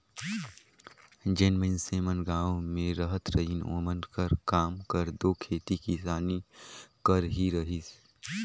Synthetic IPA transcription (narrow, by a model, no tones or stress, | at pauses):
d͡ʒenmənseːmənɡaːõmẽɾəɦət̪ɾəɦino̰ːmənkəɾkaːmkəɾd̪okʰeːt̪ikisaːnikəɾɦiɾəɦis